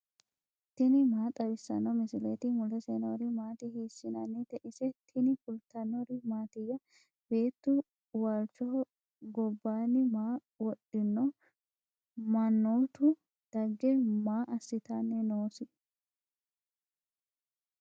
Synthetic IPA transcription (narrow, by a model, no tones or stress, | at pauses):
t̪ɪnɪmaːt̪ʼɐwɪsːɐ̰nːɔmɪsɪlet̪ɪmʊlɛsɛnoɾɪmaːt̪ɪhiːsːɪnɐnːɛt̪ɛʔɪsɛt̪ʰɪnɪfʊlt̪ːɐnːɔɾɪmaːt̪ɪjːɐ | b̥e̞ːt̪ːʊ | waːlt͡ʃɔ | ɡɔbːaːnːɪmaː | wɔɗːɪnːɔ | mɐnːoːt̪ʊ | d̪̥ɐɡːɛmaːʔɐsːɪt̪anːɛnoːsɪ